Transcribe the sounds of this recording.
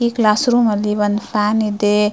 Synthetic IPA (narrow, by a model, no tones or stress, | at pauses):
iklaːsɾuməliʋɐnfʰanid̪e